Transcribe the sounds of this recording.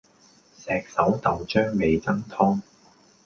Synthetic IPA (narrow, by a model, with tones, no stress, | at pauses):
sɛː˨˧k̚sɐ˨˥wt̪ɐ˨wt͡ʃœː˥ŋme˨˧jt͡sɐ˥ŋt̪ʰɔː˥ŋ